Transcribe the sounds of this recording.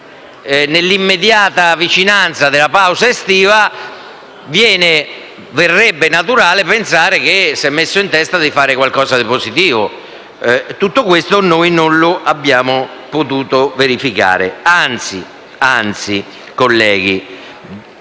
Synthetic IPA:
nelːimːed̪jaːt̪avit͡ʃinant̪sad̪ɪlapawzaest̪iːva | vjɛːnɪ | vɪrːɛbːenat̪uɾaːlɪpensaːɾɪk̟esːɛmːesːoint̪ɛst̪ad̪ifaːɾɪkwalkɔːzad̪ipozit̪iːvo | t̪ut̪ːokwest̪onoːjnonlʊʔabːjaːmʊpot̪uːt̪oveɾifika̰ːɾḛant̪si | ant̪si | kolːɛːɡ̟i

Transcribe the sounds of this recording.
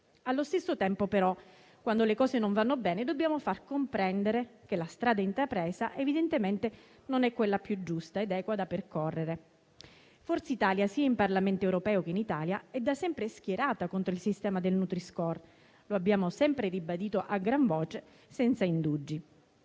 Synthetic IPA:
alːost̪esːot̪ɛmpopeɾɔ | kwand̪olekɔːsenoɱvanːobɛːned̪obːjaːmofarkompɾɛnd̪eɾek̟elast̪ɾaːd̪aint̪ɾapɾɛːsaʔevid̪ent̪ement̪e | nonɛkːwelːapjud͡ʒːust̪aed̪ɛːkwad̪aperkorːeɾe | forseit̪aːljasiːaimparlament̪oewɾopɛːok̟einit̪aːljaɛd̪ːasɛmpɾesk̟jeɾaːt̪akont̪ɾoilsist̪ɛːmad̪elnut̪ɾiskɔr | loabːjaːmosɛmpɾeribad̪iːt̪oʔaɡɾaɱvoːt͡ʃe | sɛnt̪saind̪ud͡ʒːi

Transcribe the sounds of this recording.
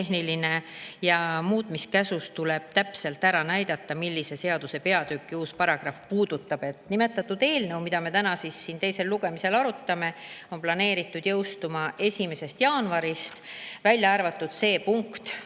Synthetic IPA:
eɦniline̞jɑmuːt̪miskæsust̪ule̞b̥̚t̪æpse̞lt̪æɾɑnæjd̪̥ɑt̪ˑːɑmilʲːise̞se̞ɑd̪̥use̞pe̞ɑd̪̥ykːiuːspɑɾɑɡ̥rɑfpuːd̪̥ut̪ːˑɑb̥e̞t̪nime̞t̪ːˑɑt̪ːˑud̪e̞ːlnɤwmid̪̥ɑme̞t̪ænɑsisːiːnt̪e̞jse̞lːuɡ̥e̞mise̞lɑɾut̪ːˑɑme̞o̞nplɑne̞ːɾit̪ːˑud̪̥jɤwst̪umɑe̞sʲime̞sest̪jɑːnvɑɾist̪vælʲjɑɑrvɑt̪ˑːud̪̥se̞ːpuŋkt̪

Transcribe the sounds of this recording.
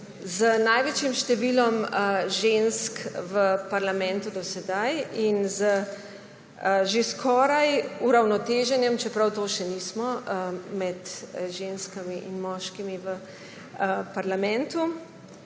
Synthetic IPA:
zənajʋet͡ʃjimʃt̪ɛʋilɔməʒenskʋəpaɾlamɛ̃nt̪ud̪ɔsɛd̪ajinzə | ʒeskʰɔːɾajuɾawnɔt̪eːʒɛnjɛmt͡ʃɛpɾawt̪oːʃɛnismɔmɛt̪ʒenskamiʔinmɔːʃkimiʋə | paɾlamɛ̃nt̪u

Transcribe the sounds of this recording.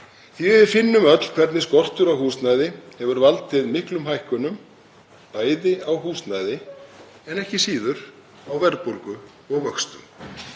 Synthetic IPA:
θiɪðfɪnːʏmœt̪l̥kʰvɛɾt̪nɪskɔr̥t̪ʏɾawɦuːsnajðɪhɛvʏɾvalt̪ʰːɪðmɪhklʏmɦajhkʏnʏm | paːjðɪawɦuːst̪naːjðɪ | ɛnɛhcɪsiːðʏɾ̥ | awvɛɾð̚pɔɾkʏ | ɔɣvœkst̪ʏ̰m

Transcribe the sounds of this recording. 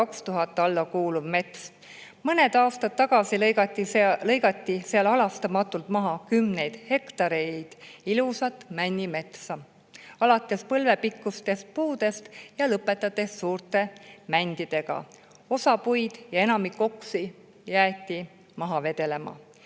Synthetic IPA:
ɑkst̪uɦɑt̪ːɑlːɑkuːluvme̞t̪s | mɤne̞d̪ɑːst̪ɑd̪̥̚t̪ːɑɡ̥ɑsiɑt̪ːˑilɤjɡɑt̪ʲːiseɑlɑlɑst̪ɑmɑt̪ːˑult̪mɑɦɑkymne̞jd̪̥he̞kt̪ɑɾe̞d̪̥ilusɑt̪ːˑmænʲːime̞t̪sɑ | ɑlɑt̪ːˑe̞spɤlve̞pikːˑust̪e̞st̪̚puːd̪̥e̞st̪jɑlɤpːˑe̞t̪ːˑɑt̪e̞ssuːrt̪ˑe̞mænʲd̪̥id̪̥e̞ɡ̥ɑ̰ | o̞sɑpujd̪̥jɑe̞nɑmikːˑo̞ksi | jæːt̪ʲˑːi | mɑɦɑve̞d̪̥e̞le̞mɑ̰

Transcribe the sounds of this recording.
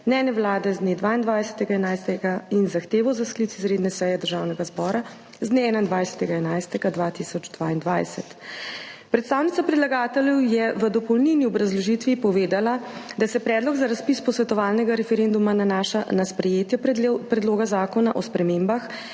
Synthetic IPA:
mnɛːnjɛwlaːd̪ɛzd̪neːd̪ʋaːind̪ʋajsɛ̥t̪ɛɡaɛnajst̪ɛɡainzaxt̪eːʋɔzasklit̪izɾed̪nɛsɛjɛd̪əɾʒaːwnɛɡazbɔːɾa | zd̪neɛːnaind̪ʋajsɛ̥t̪ɛɡaɛnajst̪ɛɡad̪ʋat̪isɔd͡ʒd̪ʋaːind̪ʋa̰jsɛt̪ | pɾɛt̪st̪aːwnit̪sapɾɛd̪laɡaːt̪ɛljɛwjɛʋəd̪ɔpɔwlniniɔbɾazlɔʒiːt̪ʋipɔʋeːd̪alad̪asɛpɾɛːd̪lɔɡzaɾaspispɔsʋɛt̪ɔʋaːlnɛɡaɾɛfɛɾend̪umananaːʃanaspɾɛjeːt̪jɛpɾɛd̪loːɡazaːkɔnaʔɔspɾɛmeːmbax

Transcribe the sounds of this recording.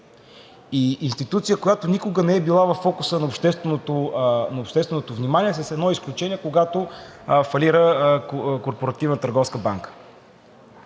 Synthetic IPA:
iinst̪it̪ut̪sijəkojat̪onʲikʊɡənɛɛbilˠavɐfːɔkʊsənɐopʃt̪ɛst̪vɛnot̪onɐopʃt̪ɛst̪vɛnot̪ovnimaniɛs̬əsɛd̪nɔisklʲut͡ʃɛnʲiɛkoɡat̪ofɐliɾə | koɾpoɾɐt̪ivnət̪əɾɡɔfskəbaŋkə̥

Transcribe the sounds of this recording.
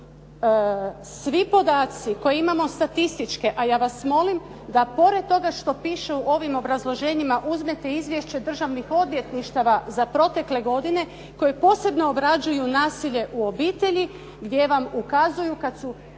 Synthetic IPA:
sʋipo̞d̪aːt̪siko̞jeimamo̞st̪at̪ist̪it͡ʃkeʔajaːʋasmo̞lim | d̪apo̞ɾe̞d̪̚t̪o̞ɡaʃt̪o̞piːʃeuʔo̞ʋimo̞bɾazlˠo̞ʒe̞ːɲimaʔuzmet̪e̞izʋje̞ʃt͡ɕe̞d̪r̩ʒaʋnixo̞d̪ʋʲje̞t̪niʃt̪aʋazapɾo̞t̪e̞kle̞ɡo̞d̪ine̞ | ko̞jepo̞ːse̞bno̞ːbɾad͡ʒujunaːsiʎe̞ʔuo̞biːt̪e̞ʎi | ɡd̪je̞ʋamukazujukat̪su

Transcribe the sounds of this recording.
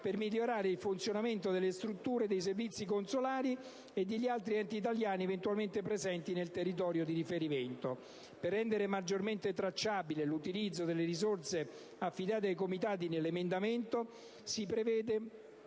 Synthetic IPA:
permiʎːoɾaːɾeilfunt̪sjonament̪od̪elːest̪ɾut̪ːuːɾed̪ejs̬ervit̪sːikonsolaːɾi | ed̪ːeʎːialt̪ɾiɛnt̪iːt̪̬aljaːnievent̪ualment̪epɾezɛnt̪inelt̪erːit̪̬ɔːɾjod̪iɾifeɾiment̪o | perːɛnd̪eɾemad͡ʒːorment̪et̪ɾat͡ʃːaːbilelut̪ilid̪zːod̪elːeɾizorse | afːid̪aːt̪eajkomit̪aːt̪̬inelːemend̪ament̪o | sipɾevɛːd̪e

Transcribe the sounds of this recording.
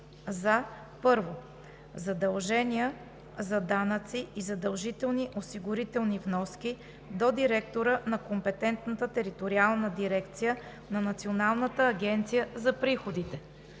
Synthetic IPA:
za | pɤɾvo | zɐd̪ɐlˠʒɛniə | zɐd̪anət̪siizɐd̪ɐlˠʒit̪ɛlˠniʔosiɡʊɾit̪ɛlˠnivnɔski | d̪od̪iɾɛk̚t̪oɾənɐkompɛt̪ɛnt̪nət̪ət̪ɛɾit̪oɾialˠnəd̪iɾɛkt̪sijə | nɐnɐt̪sionalˠnət̪əːɡʲɛnt̪sijəzɐpɾixod̪it̪ɛ

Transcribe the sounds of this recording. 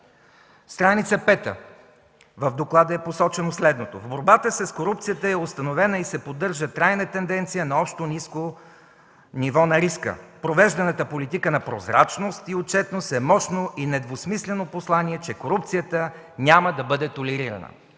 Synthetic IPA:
st̪ɾanit̪səpɛt̪ə̰ | vəvd̪oklˠad̪əɛposɔt͡ʃɛnoslɛd̪not̪o̰vboɾbat̪əsɛskoɾup̚t̪sijət̪əɛost̪ɐnovɛnəisɛpod̪ɤɾʒət̪ɾajnət̪ɛnd̪ɛnt̪sijənɐɔpʃt̪onisko | nivɔnɐɾiskə̰pɾovɛʒd̪ɐnət̪əpolit̪ikənɐpɾozɾa̰t͡ʃnost̪iot͡ʃɛt̪nosɛmɔʃnoʔinɛd̪vosmislɛnoposlˠaniɛt͡ʃɛkoɾup̚t̪sijət̪ə | nʲaməd̪ɐbɤd̪ɛt̪olɛɾiɾɐ̰nə̰

